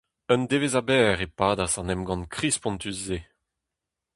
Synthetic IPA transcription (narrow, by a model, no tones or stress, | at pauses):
œnd̪evezabɛːʁepaːd̪asɑ̃nɛmɡɑ̃nkχispɔ̃nt̪ysze